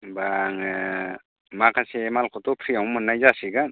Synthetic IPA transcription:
baŋ | makʰasemalkʰɔtɔpʰɾiawmɯnːajzasiɡan

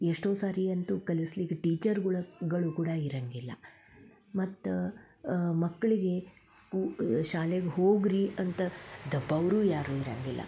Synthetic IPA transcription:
eʂʈo̞ːsaːɾiɐnt̪ukɐlisliɡɐʈiːt͡ʃɐɾɡuɭɐɡɐɭukuːɽɐiɾɐŋɡilːɐ̰ | mɐt̪ː | mɐkːɐɭiɡe̞ | skuːʃaːleɡeɦoːɡɾiʔɐnt̪ɐd̪ɐbːɐʋɾuːjaːɾuːiɾɐ̰ŋɡilːɐ̰

